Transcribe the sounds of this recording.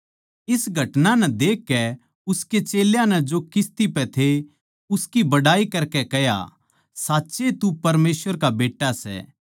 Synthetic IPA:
ɪsɡʱɐʈnanɛd̪eːkːɛ | ʊsket͡ʃeːljãnɛd͡ʒokɪst̪ipɛt̪ʰe | ʊskibɐɽaːikɐɾkɛkɛɦja̰ | saːtːʃet̪upɐɾmeːsʋəɾkabeːʈːasɛ̰ː

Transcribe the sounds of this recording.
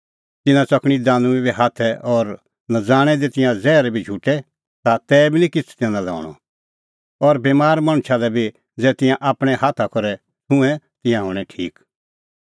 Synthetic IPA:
t̪ɪnãt͡sɐkʰɽ̃id̪aːnũibiɦaːt̪ʰɛʔɔːɾ | nad͡zaːɽ̃ɛd̪it̪ɪ̃jãd͡zɛːɾɛbʱid͡ʒʱuʈɛ | t̪at̪ɛːbʱinĩkɪt͡sʰu̥t̪ãnãlɔ̰̃ːɽ̃ɔ̰ | ɔɾbeːmaːɾmɐɽ̃ʊʃʰalɛbʱi | d͡zɛːt̪ɪ̃jãʔaːpɽ̃ɛhaːt̪ʰakɔɾɛ | t̪ʊ̃ɛ̃ | t̪ɪ̃jãɦʊːɽ̃ɛʈʰiːk

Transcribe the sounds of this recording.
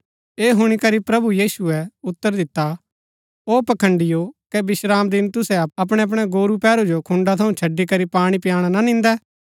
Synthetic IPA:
eːɦʊɽ̃ikɐɾipɾɐbujiːsuɛʊt̪ːəɾd̪ɪt̪ːa | oːpɐkʰə̃ɳɖɪjokɛbɪʃɾaːmd̪ɪnt̪ʊsɛɐɐpɽ̃ɛɐp̬ɽ̃ɛɡoːɾupɛːɾud͡ʒokʰʊ̃ɳɖat̪ʰɐũt͡ʃʰɐɖːikɐɾipaːɽ̃ipɪjaːɽ̃anɐnɪ̃nd̪ɛː

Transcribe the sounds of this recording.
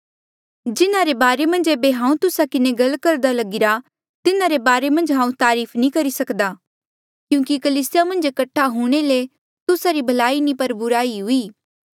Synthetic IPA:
d͡ʒɪnaɾebaːɾemɐ̃nd͡ʒeːbeɦãːũt̪ʊsakɪneɡɐlkɐɾd̪alɐɡɪɾa | t̪ɪnaɾebaːɾemɐ̃nd͡ʒɦãːũt̪aːɾiːpʰnĩkɐɾisɐkd̪aː | kjũːkikɐliːsɪjamɐ̃nd͡ʒkɐʈʰːaɦuːɽ̃ele | t̪ʊsaɾibʱɐlaːinĩpɐɾbʊɾaːiɦʊiː

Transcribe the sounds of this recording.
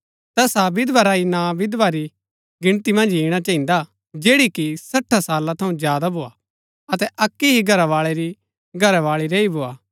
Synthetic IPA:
t̪ɛːsabɪd̪ʋaɾaːinabɪd̪ʋaɾi | ɡɪɽ̃t̪imɐ̃nd͡ʒiːɽ̃at͡ʃãːɦĩnd̪a | d͡ʒeːɽikisɐʈʰːasaːlat̪ʰɐũzjaːd̪abʱoːa | ɐt̪ɛʔɐkːiɦiɡʱɐɾaʋaːɭeɾi | ɡʱɐɾaʋaːɭiɾeibʱoaː

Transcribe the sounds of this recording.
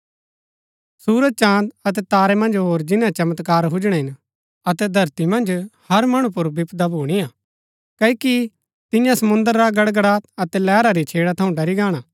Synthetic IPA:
suːɾəd̪̚t͡ʃãːd̪ɐt̪ɛt̪aːɾɛmɐ̃nd͡ʒɦoːɾd͡ʒɪnːãt͡ʃɐmət̪kaːɾɦʊd͡ʒɽ̃ɛ̃ɦɪn | ɐt̪ɛd̪ʱɐɾt̪imɐ̃nd͡ʒhɐɾmɐɽ̃ũp̬ʊɾbɪpd̪abʱuːɽ̃ijaː | kɐiki | t̪ɪ̃jãsɐmʊ̃nd̪əɾːaɡɐɽɡəɽaɐt̪ɛlɛːɾaɾit͡ʃʰeːɽat̪ʰɐũɖɐɾiɡaːɽ̃aː

